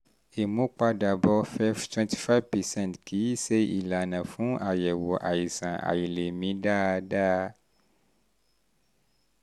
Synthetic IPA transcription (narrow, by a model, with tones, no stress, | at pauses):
e˨mõ˦k͡pa˦ɖa˨bɔ˦fɛ˦vt̪wɛ̃˦nti̥˦˨fa˦vpɛ˨sɛ̃˦ntki˨˦i˦se˦i˨la˨nã˨fũ˦ʔa˨jɛ˨wɔ˨ʔa˨ji˨sã˨ʔa̰˨ji˨le˨mĩ˨˦ɖa˦ɖa˦